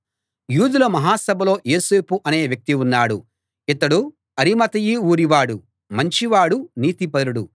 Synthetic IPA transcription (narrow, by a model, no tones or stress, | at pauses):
juːd̪ulɐmɐɦaːsɐbʱɐlo̞ːjeːse̞ːpuʔɐne̞ːʋjɐk̚t̪iunːaːɽu | it̪ɐɽu | ɐɾimɐt̪ɐjiuːɾiʋaːɽu | mɐɲt͡ʃiʋaːɽuniːt̪ipɐɾuɽu